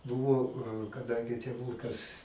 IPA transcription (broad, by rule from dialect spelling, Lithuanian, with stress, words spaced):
ˈbʊʋoː kɐˈdɐŋʲɡʲɪ tʲeːˈʋuːkɐs